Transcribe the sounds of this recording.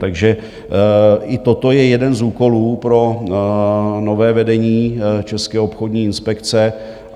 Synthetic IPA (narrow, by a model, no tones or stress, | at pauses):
t̪aɡʒɛ | ʔɪt̪ot̪o̞jɛjɛdɛnzuːko̞luːpɾo̞ | no̞vɛːvɛdɛɲiːt͡ʃɛskɛːopxo̞dɲiːɪnspɛkt͡sɛ